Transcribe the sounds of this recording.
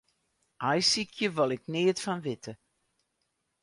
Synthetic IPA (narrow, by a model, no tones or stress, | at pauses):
ʔajsikʰjəʋɔlˠɪkneːtfɑnʋɪtə